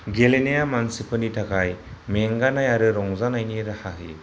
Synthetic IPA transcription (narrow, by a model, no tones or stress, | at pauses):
ɡelenejamansipʰɯnitʰakajmeŋɡanajaɾɯɾɔŋzanajniɾahaɦḭ